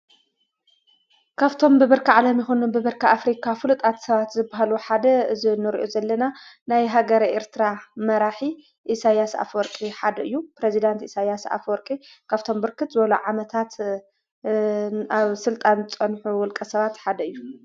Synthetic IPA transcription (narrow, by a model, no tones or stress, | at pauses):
kʰaβt̪ʰo̞mbɨβɨɾkɨʕalɐmjɪxonunbɨβɨɾkʰɨʔafɾikʰafɨlɨt̪ʼat̪sɐβat̪zɨbːaɦaluħad̪ɐɨzinɨɾiʔozɐlːɐnanajɦaɡɐɾʔeɾt̪ʰɨɾamɐɾaħi | ʔisajasa̰fwɔɾkʼiħad̪ɐɨjːupɾezid̪ant̪isajasa̰fwɔɾkʼi | kʰaβt̪ʰo̞mbɨɾkʰɨt̪zɨβɐluʕamɐt̪ʰat̪ | aβsɨlt̪ʼanɨt͡sʼɐnħuwɔlkʼɐsɐβat̪ħad̪ɐɨjːu